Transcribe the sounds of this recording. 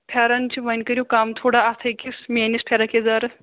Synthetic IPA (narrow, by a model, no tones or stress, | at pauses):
pʰaɾant͡ɕiʋɐnʲkəɾʲjukamt̪ʰoɽaːt̪ʰɐjkismenispʰaɾakʰed͡zaɾɨ